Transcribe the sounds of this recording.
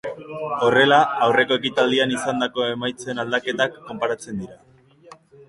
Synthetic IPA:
o̞re̞laːwre̞ko̞e̞kit̪ald̪ianisand̪ako̞e̞majt͡se̞nald̪ake̞t̪akːo̞mpaɾat͡se̞nd̪iɾa

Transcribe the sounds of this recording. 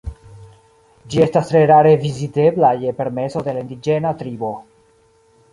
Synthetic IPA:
d͡ʒie̞stast̪ɾeɾaɾevizit̪eblajepe̞ɾme̞sod̪elaind̪id͡ʒenat̪ɾibo

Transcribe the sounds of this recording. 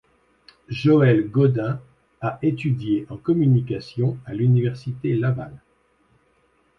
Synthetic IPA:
ʒoɛlɡɔd̪ɛ̃ | aʔet̪yd̪jeʔɑ̃kɔmynikasjɔ̃alynivɛʁsit̪elava̰l

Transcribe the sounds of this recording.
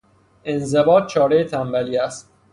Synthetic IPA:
e̞nzebɒːt̪̚t͡ʃʰɒːɾejet̪ʰæmbæliːæst̪̚

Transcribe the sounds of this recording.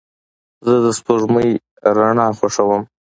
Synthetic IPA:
zəd̪əspoʐməj | ɾaɳɑxwaʂawəm

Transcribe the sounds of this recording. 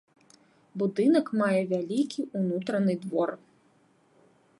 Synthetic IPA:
bud̪ɨnɐkmajɛvʲalʲikʲiunut̪ɾɐnɨd̪vɔr

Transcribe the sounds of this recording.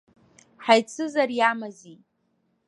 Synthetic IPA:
ħajt͡sʰɨzarjamazi

